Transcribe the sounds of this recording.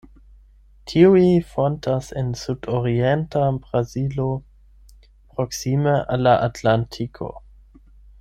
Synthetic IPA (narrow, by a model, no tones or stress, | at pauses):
tʰiuifontʰasensudoɾientabʁazilo | pɾoksimeʔalːaʔatlantʰikʰo̞̰